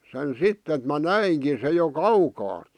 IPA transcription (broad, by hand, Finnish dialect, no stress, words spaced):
sen sitː et mæ næiŋki se jo kɑukɑːt̆